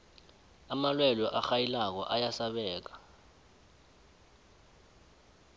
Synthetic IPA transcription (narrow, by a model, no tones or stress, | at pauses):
amalwɛlɔʔaxajilak̬ɔ̰ʔajasaɓɛːk̬ḁ